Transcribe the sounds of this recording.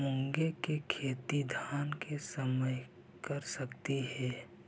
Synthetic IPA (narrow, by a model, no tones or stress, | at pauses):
mʊ̃ŋɡekekʰeːt̪id̪ʱaːnkesəməj | kəɾsəkt̪iɦɛː